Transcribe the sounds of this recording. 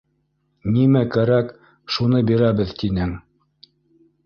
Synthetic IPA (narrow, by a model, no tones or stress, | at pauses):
nimækæɾæk | ʃun̪ɤbiɾæβɘðt̪inɘŋ